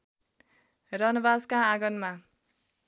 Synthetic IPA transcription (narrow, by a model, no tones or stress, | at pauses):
rʌnʌbaskaːɡʌnma